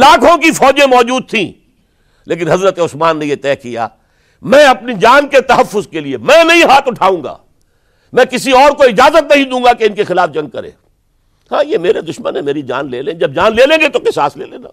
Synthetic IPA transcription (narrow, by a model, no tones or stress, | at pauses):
laːkʰõkifɔːd͡ʒẽmɔːd͡ʒuːd̪̚t̪ʰĩː | leːk̬ɪnɦɐzɾət̪eʊsmaːnːejet̪ɛːkija̰ː | mɛ̃ːɐp̚nid͡ʒaːnket̪ɐɦɐfːʊzkeliemɛ̃ːnɐɦĩɦaːt̪ʊʈʰaːũːŋɡa̰ː | mɛ̃ːkɪsiɔːɾkoɪd͡ʒaːzət̪nɐɦĩd̪ũːŋɡakeɪnkexɪlaːfd͡ʒɐ̃ŋɡ̚kɐɾḛ̃ː | hãːjemeːɾed̪ʊʃmənɦɛ̃meːɾid͡ʒa̰ːnleːlẽːd͡ʒɐb̚d͡ʒaːnleːlẽːŋɡet̪okɪsaːslḛːleːna̰ː